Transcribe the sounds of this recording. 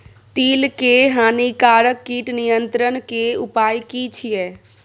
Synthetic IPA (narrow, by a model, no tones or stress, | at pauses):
t̪iːlkeɦaːnikaːɾəkːiːʈnijənt̪ɾənkeʊpaːjkit͡ʃʰijɛː